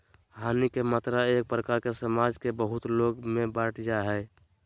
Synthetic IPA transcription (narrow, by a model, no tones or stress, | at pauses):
ɦanikemat̪ɾaek̚pɾəkaɾkesəmad͡ʒkebəɦut̪loɡmebaʈʰd͡ʒaɦɛɪ